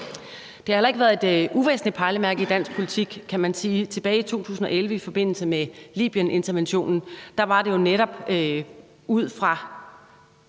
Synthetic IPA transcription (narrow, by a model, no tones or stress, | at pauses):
d̥e̝hɑ̈helɐe̝ɡəʋæɐðˠe̝d̥uʋḛːsn̩lid̥̚pʰɑ̈ːləmæɐɡ̥id̥æn̰sɡ̥pʰo̝lit͡sʰiɡ̥kʰæmænsiːt͡sʰe̝b̥ɛːɪit͡sʰo̝̰ːt͡sʰṵːsn̩ɒ̽ʔelʋəifɒ̽b̥e̝n̰l̩səmelḭːb̥ijənʔe̝nt͡sʰɐʋenɕo̝̰ːnn̩d̥ɑ̈ʋɑ̈d̥e̝jo̝neɾ̥ɒ̽b̥ | uð̞̰ˠfʁɑ̈